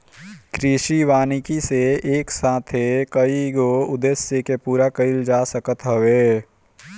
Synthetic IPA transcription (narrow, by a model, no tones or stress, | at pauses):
kɾɪʃiʋaːnɪkiseeːksaːt̪ʰɦekəiɡoʊd̪eːsjəkepuːɾakɐɪld͡ʒaːsəkət̪ɦəʋeː